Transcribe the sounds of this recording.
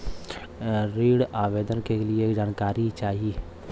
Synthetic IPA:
ɾiːɽaːʋeːd̪ənkelied͡ʒaːnkaːɾit͡ʃaːɦie

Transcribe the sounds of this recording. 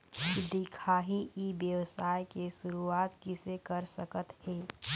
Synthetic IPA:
kid̪ikʰaːɦiibjəwsaːjkesʊɾuaːt̪kɪsekəɾsəkət̪heː

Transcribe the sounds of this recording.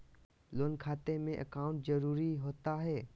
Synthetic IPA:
loːnkʰaːt̪emẽʔə̰kaːʊ̃ɳʈzɐɾuːɾiɦoːt̪aɦɛː

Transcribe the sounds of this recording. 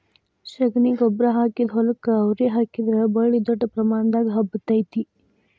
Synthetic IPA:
ʃɐɡniɡɔbɾɐɦaːkid̪ɦɔlɐkɐːwɾeːɦaːkid̪ɾɐbɐɭid̪ɔʈːɐpɾɐmaːnd̪aːɡɦɐbɐt̪ɐjt̪i

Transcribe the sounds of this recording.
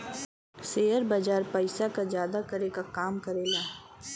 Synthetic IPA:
seːəɾbɐd͡ʒaːɾpəɪsakazjaːd̪akɐɾekakaːmkɐɾeːɡaː

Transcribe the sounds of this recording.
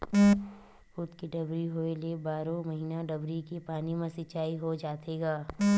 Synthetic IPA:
hʊt̪kiɖɐbɾiɦoelebaːɾõmɐɦiːnaɖɐbɾikepaːnimẽsɪt͡ʃaːiɦod͡ʒaːt̪eːɡaː

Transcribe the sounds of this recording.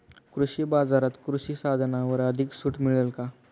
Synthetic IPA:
kɾuɕibad͡zaɾat̪kɾuɕisad̪ʱnaʋəɾəd̪ʱiksuːʈmiɭəlka

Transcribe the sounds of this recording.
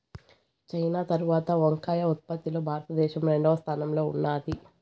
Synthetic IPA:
t͡ʃɐjnaːt̪ɐɾuʋaːt̪ɐʋoŋkaːjɐut̪̚pɐt̪ːilo̞ːbʱaːɾɐt̪ɐd̪ɛːʃɐmɾeɳɖɐːɐst̪ʰaːnɐmlo̞ːunːaːd̪i

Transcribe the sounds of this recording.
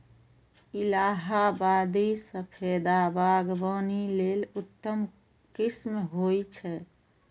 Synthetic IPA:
ilaːɦabaːd̪isəpʰed̪abaɡbənilelʊt̪ːəm | kismeɦojt͡ʃʰɛ

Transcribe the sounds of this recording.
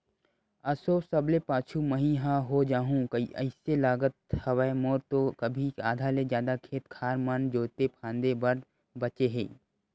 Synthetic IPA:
ɐsoːsɐblepaːt͡ʃʰuməɦĩɦãɦod͡ʒaːɦũkɐiʔə̰ɪselaːɡət̪̚hɐʋəemoːɾt̪okɐbʱiaːd̪ʱaːlezjaːd̪akʰeːt̪kʰaːɾmənd͡ʒoːt̪epʰãːnd̪ebɐɾd̪ | bɐt͡ʃeɦḛ̃ː

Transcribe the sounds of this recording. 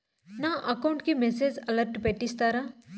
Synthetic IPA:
naʔɐkaʊ̃ɳʈkimeseːd͡ʒɐləɾʈpeʈist̪aɾa

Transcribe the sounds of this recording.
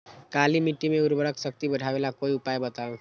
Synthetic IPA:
kalimiʈːimeuɾbəɾəksək̚t̪ibəɽʱaʋelakoiupajbət̪aʋ

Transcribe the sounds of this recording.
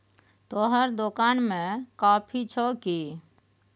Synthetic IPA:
t̪oɦəɾd̪okanmẽkapʰit͡ʃʰɔki

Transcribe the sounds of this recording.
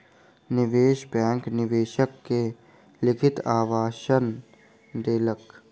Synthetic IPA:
nɪʋeːʃbɛ̃ːŋknɪʋeːʃəkːe | lɪkʰɪt̪aːʋaːʃən | d̪eːlək

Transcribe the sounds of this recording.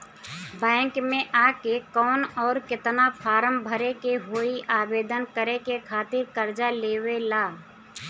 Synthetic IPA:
bɛ̃ːŋkmẽʔaːkekɔːnɔːɾkɪt̪napʰaːɾəmbʱəɾekeɦoːiʔaːbeːd̪ənkəɾekekʰaːt̪ɪɾkəɾd͡ʒaleːwelaː

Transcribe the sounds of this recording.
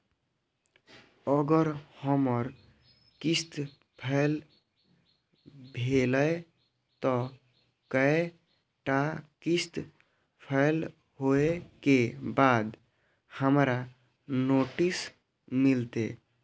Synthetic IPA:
əɡəɾhəməɾ | kist̪ | pʰəl | bʱeləe | t̪ɔ | kəe | ʈakist̪ | pʰəɪl | ɦoekebad̪ | həmɾa | noʈis | milt̪e

